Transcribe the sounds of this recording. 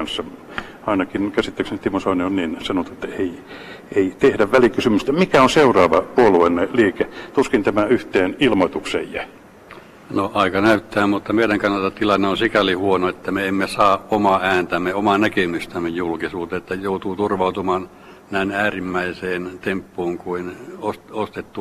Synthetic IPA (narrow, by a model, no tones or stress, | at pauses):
nsːɑ | ɑinɑkinkæsit̪ːeksnyt̪t̪imosɑːnionninsɑnot̪ue̥t̪ːæei | eit̪ehdæʋʋælikysymyst̪æmikæonseurɑːʋɑpuoluenːeliːket̪uskint̪æmæyht̪eːnilmoit̪uksejjæ | noʔɑikɑnæyt̪ːæːmmut̪ːɑmeiɾæŋkɑnːɑlt̪ɑtt̪ilɑnːeonsikælihuonoet̪ːæmeemːesɑːʔʔomɑæːnt̪æmːeomɑnækemyst̪æmːejjulkisuːt̪eet̪ːæjout̪uːt̪urʋɑut̪umɑːn | næinæːrimːæiseːnt̪empːuːŋkuinosost̪et̪ːu